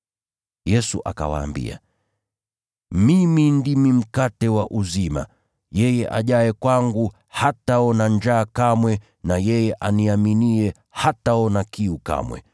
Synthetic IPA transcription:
jɛsuʔa̰ka̰wa̰ːmbḭa̰ | mimindimim̩katɛwaʔuzima̰ | jɛjɛʔa̰ʄaɛkwaŋɡu | hataɔnaɲd͡ʒaːkamwɛ | najɛjɛʔaniaminiɛ | hataɔnakiuka̰mwɛ̰

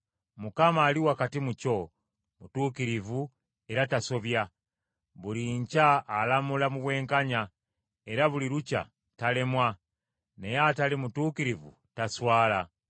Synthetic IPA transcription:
mukamaːliwakatimuco̞ | mutuːkiɾivu | e̞ɾataso̞βja | βuliɲcaːlamulamuβwe̞ːŋkaɲa | e̞ɾaβuliɾuca̰ | tale̞mwa | ne̞jaːtalimutuːkiɾivṵ | taswaːla

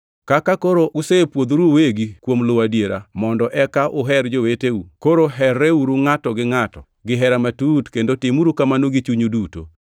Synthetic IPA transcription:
kakakoɾoʔusepwod̪ɾuweɡikwomlʊwadjeɾa̰mɔndɔʔɛkaʔʊɦɛɾd͡ʒoweteukoɾoɦɛrɛuɾuŋatɔɡɪŋatɔ | ɡɪɦɛɾamatutkendotɪmuɾukamanoɡit͡ʃuɲuduto̰

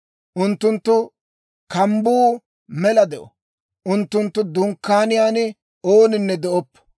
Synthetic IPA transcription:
ʔʊnt̪ːʊnt̪ːʊ | kɐmbuː | mɛlɐd̪ɛʔɔ̰ | ʔʊnt̪ːʊnt̪ːʊd̪ʊŋkːaːnɪjaːnɪ | oːnɪnːɛd̪ɛʔɔpːɔ̥

